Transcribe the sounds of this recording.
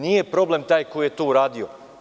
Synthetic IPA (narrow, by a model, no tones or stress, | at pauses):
niːje̞pɾo̞ble̞mt̪aːjkojjet̪ouɾaːd̪io